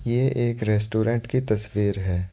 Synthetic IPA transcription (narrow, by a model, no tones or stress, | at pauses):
jeʔeːkɾɛːsʈoːɾɛ̃ɳʈkit̪ɐsʋiːɾɦɛː